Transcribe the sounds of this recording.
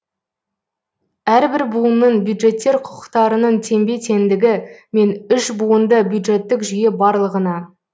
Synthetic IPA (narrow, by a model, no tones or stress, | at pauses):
æɾbɪɾbuənnəɴbjud̪ʒe̞t̪ːe̞ɾqʰʊ̥qə̥qt̪ɑɾənənt̪ʰe̞mbe̞t̪ʰe̞nd̪ɪɡʲɪme̞nʏʃbuənd̪əbjud̪ʒe̞t̪ːɪkʒʏje̞bɑɾlˠəʁənɑ